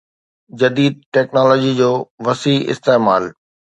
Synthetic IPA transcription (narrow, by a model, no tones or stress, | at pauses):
d͡ʑɐd̪iːd̪̚ʈɛːknɔːlɔːd͡ʑid͡ʑoːʋɐsiːɪ̰st̪eːmaːl